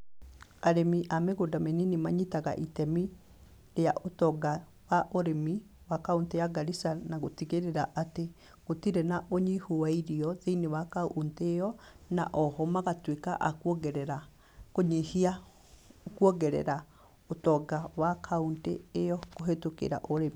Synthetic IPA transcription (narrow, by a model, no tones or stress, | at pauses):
aɾemiʔameɣodameninimaɲitaɣa̰ʔitɛmi | ejaʔotɔɡa | waʔoɾemi | wakauntejaɡaɾisanaɣotiɣeɾeɾaʔate | ɣotiɾenaʔoɲihowaiɾiɔðeinewakaunteːjɔna̰ʔɔhɔmaɣatweka̰ʔakɔɡɛɾɛɾa | koɲihia | kwɔɣɛɾɛ̰ɾa | otɔɡawakʰaunteːjɔɣoɦetokḛɾa̰ʔoɾemi